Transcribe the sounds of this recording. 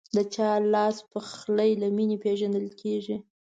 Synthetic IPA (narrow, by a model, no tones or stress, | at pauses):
d̪ət͡ʃɑlɑspəxləjlaminepeʒand̪əlkʰeʒi